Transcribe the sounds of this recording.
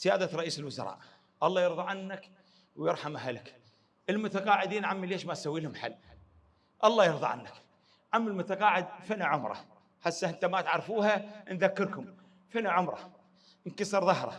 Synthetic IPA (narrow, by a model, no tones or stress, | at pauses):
z̥ɪjaːd̪aɾˤɑʔiːsɪlwʊzɑ̰ɾˤɑ̰ːʔ | ʔɑlˤːɑːjɪɾˤðˤɑʕanːak | wjɪɾˤħamʔaɦalɪk | ʔɪlmʊt̪aqɑːʕɪd̪iːnʕamːileːʃmasawːiːlhʊmħa̰lː | ʔɑlˤːɑːjɪɾˤðˤɑ̰ʕa̰nːak | ʕamːɪlmʊt̪aqɑːʕɪd̪̚fɪnaʕʊmɾˤɑ̰ | ħasːaʔɪnt̪amat̪ʕaɾˤfuːhanðakːɪɾkʊm | fɪnaʕʊmɾˤɑ̰ | nkɑsˤɑɾˤðˤɑɦɾˤɑ̰